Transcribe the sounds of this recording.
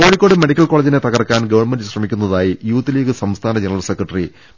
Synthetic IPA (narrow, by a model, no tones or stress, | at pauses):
ko̞ːɻikʲːoɽɨme̞ɽikʲːɐlkoːled͡ʑine̞t̪ɐɣɐrkːaːnɡɐʋɐrɳmendɨɕrɐmikʲːunːɐðaːjijuːt̪ːiliːɡɨsɐmst̪ʰaːnɐd͡ʑenɐrɐlsekrɐʈːɐri